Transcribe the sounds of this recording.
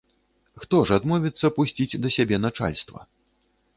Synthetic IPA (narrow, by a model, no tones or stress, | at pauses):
xt̪ɔʐad̪mɔvʲit̪sːɐpusʲt͡sʲid͡zʲd̪ɐsʲabʲɛnat͡ʂa̰lʲst̪vɐ̰